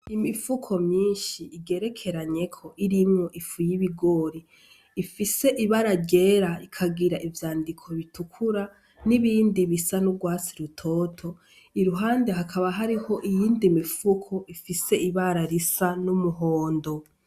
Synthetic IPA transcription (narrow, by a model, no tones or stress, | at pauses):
imifukʰo̞mɲiːnʃiːɡe̞ɾe̞kʰe̞ɾaɲe̞kʰo̞ʔiɾimŋo̞ʔifujiβiɡo̞ːɾiː | fise̞ʔiβaɾaɟe̞ːɾaikʰaɡiɾaʔivjaːndikʰo̞βitukʰuɾa | niβiːndiβisanubɡwaːt͡siɾutʰo̞ːtʰo̞ | iɾuɦaːnde̞ɦakʰaβaɦaɾiho̞ʔijiːndimifukʰo̞ʔifise̞ʔiβaɾaɾisanumuɦoːndo̞